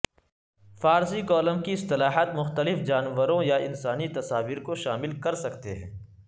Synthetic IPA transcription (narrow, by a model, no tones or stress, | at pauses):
faːɾsikɔːlə̃mkiɪst̪ɪlaːɦət̪mʊxt̪əlɪfd͡ʒaːnʋəɾõjaɪnsaːnit̪ɐsaːʋiːɾkoʃaːmɪlkɐɾsɐkt̪eɦɛ̃ː